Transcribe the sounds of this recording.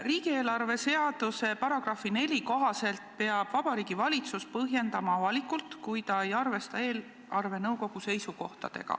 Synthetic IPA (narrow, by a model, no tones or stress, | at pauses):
riːɡie̞ːlɑrve̞se̞ɑd̪̥use̞pɑɾɑɡ̥rɑfine̞lʲiko̞ɦɑse̞lt̪̚pe̞ɑb̥vɑb̥ɑɾiːɡ̥ivɑlʲit̪suspɤɦje̞nd̪̥ɑmɑɑvɑlikult̪kujt̪ɑejɑrve̞st̪ɑe̞ːl | ɑrve̞nɤwko̞ɡ̥use̞jsuko̞ht̪ɑ̰d̪̥e̞̰ɡ̥ɑ̰